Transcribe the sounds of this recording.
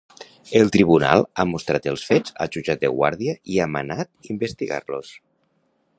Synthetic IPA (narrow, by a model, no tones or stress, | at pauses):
elˠt̪ɾiβ̞una̰lˠamust̪ɾat̪elˠsfed͡za̰ʒud͡ʒat̪̚d̪ḛɣwa̰ɾðiəʔiama̰nat̪imbest̪iɣa̰ɾlos